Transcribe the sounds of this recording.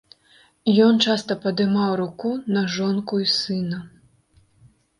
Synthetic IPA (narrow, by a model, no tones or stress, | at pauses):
jɔnt͡ʂast̪ɐpɐd̪ɨmawɾukunɐʐɔnkuisɨnɐ